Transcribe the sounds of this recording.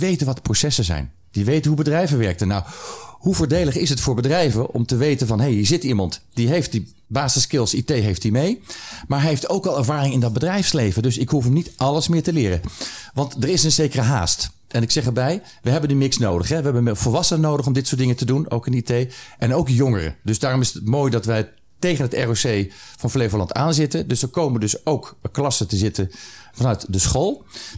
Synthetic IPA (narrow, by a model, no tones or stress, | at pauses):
ʋejtənʋɑtə̥prosɛsəzɛ̰jn | d̥iʋejtənɦubədrɛjvəʋɛɹk̚tənːawhuvʊːɹdejləχɪsɦətfʊːɹbədrɛjvənʔɔ̰mtəʋejtənvɑnɦejɦiːɹzɪtimɑntd̥iɦejft̚di | baːsəskɪlˠsitejɦejftdimejmaːɹɦeftowkɑlˠɛɹvaːrɪŋɪndɑd̚bədrɛjfslejvəndɵsɪkɦufənitʔɑləsmɪːɹtəlɪːrə̰ʋɑntdəɹɪsənzejkərəɦa̰ːst | ʔɛnɪksɛχɛɹbɛj | ʋəɦɛbənəmɪksnowdəχɦɛʋəɦɛbəvəlʋɑsənnowdəχɔmdɪtsʊːdɪŋətəduno̰wkɪnitejʔɛnowkjɔŋərə̰dɵsdaːrɔmɪsətmoːjdɑtʋɛj | tejχənɦətɛ̰ɹosejvɑnflejvəlɑntaːnzɪtədɵsdəɹkowməndɵsowkklɑsətəzɪtəvɑnœɥtdəsχolˠ